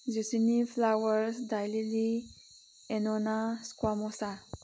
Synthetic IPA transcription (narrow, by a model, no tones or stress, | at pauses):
zusinifʰlawəɾsd̪ajlili | enonaskwamɔsa